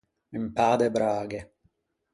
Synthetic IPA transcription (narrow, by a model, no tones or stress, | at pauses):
impaːd̪ebɾaːɡe